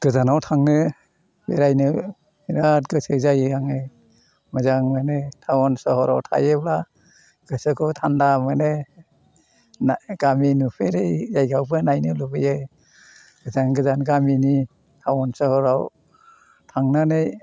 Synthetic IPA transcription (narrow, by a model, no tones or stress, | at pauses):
ɡ̥ɯzanawtʰaŋnɯ | bḛɾajnɯ | iɾat̚ɡɯsɯzajɯaŋɯ | mɯzaŋmanetʰawɔnsɔhɔɾa̰wtʰa̰jɯbla | ɡ̥ɯsɯkʰɯwtʰandamane | nɡaminupʰeɾejjajɡawbɯnajnɯlubɯjɯ | ɡɯzaŋɡɯzanɡamini | tʰawɔnsɯhɔɾaw | tʰaŋnanɯj